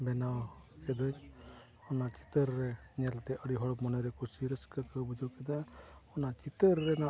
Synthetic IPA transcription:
bɛnaw | kɛd̪əɲ | ɔnat͡ʃi̥t̪əɾːɛ | ɲɛlt̪ɛʔəɽiɦɔɽɔmɔnɛɾɛkusiɾəskəkəbud͡ʒəwkɛd̪aɔnat͡ʃit̪əɾːɛna

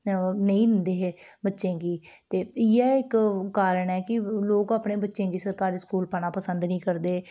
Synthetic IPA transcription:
nəĩːd̪ɪnd̪eːɦeːbətːʃẽːɡiː | t̪eːɪɛːɪkːaːɾəɳɛːkɪloːkaːpɳẽːbətːʃẽːkiːsəɾkaːɾiːskuːlpanaːpəsənd̪nĩːkəɾd̪eː

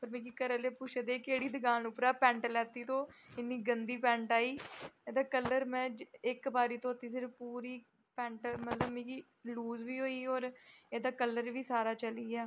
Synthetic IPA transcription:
pəɾmɛ̃ːkiːkəɾəleːpʊt͡ʃəd̪eːkeːɽiːd̪əɡaːnʊpɾaːpɛ̃ːɳʈlɛːt̪iːt̪õːɪnːiːɡənd̪iːpɛ̃ːɳʈaːiːeːd̪aːkəlːəɾmɛ̃ːɪkbaːɾiːt̪õːət̪ːiːs̬ɪɾfpuːɾiː | pɛ̃ːɳʈmət̪ləbmɛ̃ːki | luːzʋiːɦoːiːɔːɾeːd̪aːkəlːəɾʋiːsaːɾaːt͡ʃəliːɡjaː

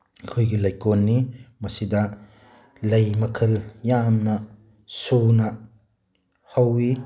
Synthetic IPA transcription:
kʰojɡilɐjkonːimɐsidɐ | lɐjmɐkʰɐljamnɐ | sunɐ | hɐwi

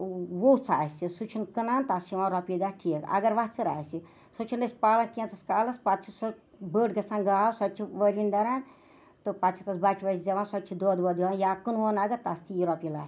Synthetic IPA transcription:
ʋout͡sʰa̰ːsisut͡ʃʰinkɨnant̪ast͡ʃʰiʋãːɾɔpiɡ̪aːʈʰikɐ̰ɡɐɾʋast͡siɾa̰ːsi | sot͡ʃʰindɐsʲpaːlɐnkẽnt͡sɐskaːlɐspat̪t͡ʃʰis | bəːʈɡɐsʰãnɡaːsɔtt͡ʃʰiʋəɾʲind̪ɐɾan | t̪ɨpat̪t͡ʃʰit̪ɐsbat͡ʃʰiʋɐɾʲid͡ʒɐʋãnsɔtt͡ʃʰid̪oːd̪ʋɔd̪ianjaːkɨnʋonaɡɐt̪ast̪ʰijiɾɔpila̰ː

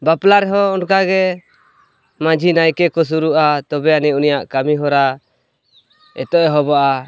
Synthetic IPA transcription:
baplaɾɦɔːnkaɡɛ | mãd͡ʒʱinajkɛkɔs̬uɾuʔat̪ɔbɛanɛunijaʔkamiɦɔɾa | ɛ̰t̪ɔʔɛɦɔbɔʔa

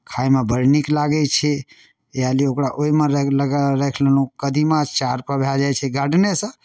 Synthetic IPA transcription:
kʰaimebəɾniklaɡɛt͡ʃʰɛ | aliokɾaʔoimeɾləɡɾekʰlənukəd̪ʱimãt͡ʃaɾpəɾbʱed͡ʒajt͡ʃʰɛɡaɖnesə̃

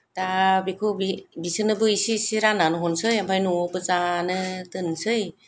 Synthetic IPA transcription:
dabikʰobibisɯnɯbɯisisiɾananɯɦɔnsɯjampʰajnuɔpɯzanɯtɯnsɯj

